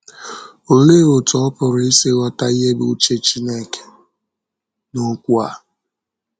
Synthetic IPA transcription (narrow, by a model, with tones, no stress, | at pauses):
o˨le˦o˨tɔ˨ɔ˦pʊ˨ɾʊ˨i˦se˦wa˦ta˦i˦ɦe˦bu˦u˦t͡ʃe˦t͡ʃi˦ne˦ke̥˨ | no˦kʷu˦a̰˨